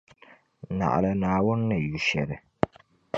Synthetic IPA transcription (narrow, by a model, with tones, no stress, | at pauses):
na̰˨ʔa̰˨la˨naː˨wʊ˦nː˦ɨ˨ju˨ʃɛ̰˨ɾɨ˨